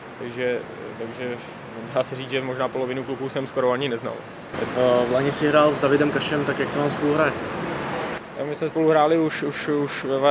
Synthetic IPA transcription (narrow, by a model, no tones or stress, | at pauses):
t̪aɡʒɛ | t̪aɡʒɛ | daːsɛriːd͡zʒɛmo̞ʒnaːpo̞lovɪnuklukusɛmskoɾoaɲɪnɛzna̰l | ɛ̰svlaɲɛsɪɦɾaːlzdavɪdɛmkaʃɛmt̪akjaksɛvaːmspoluɦɾajɛ | t̪akmɪsmɛspo̞luɦɾaːlɪuʃuʃuʃvɛva